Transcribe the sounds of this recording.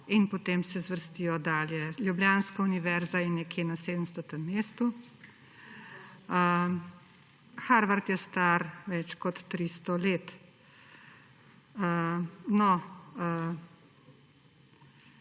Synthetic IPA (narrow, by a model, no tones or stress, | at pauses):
inpot̪eːmsɛzʋəɾst̪ijɔd̪aːljɛljubljaːnskauniʋɛɾzajɛnɛkʰjeːnaseːd̪əmst̪ɔt̪əmːeːst̪u | ə | xaɾʋaɾt̪jɛst̪aɾʋɛt͡ʃkɔt̪ːɾist̪ɔleːt̪ | ənɔə